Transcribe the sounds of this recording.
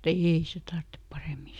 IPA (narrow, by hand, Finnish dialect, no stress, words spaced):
eːi se tɑrtːep pɑreˑmi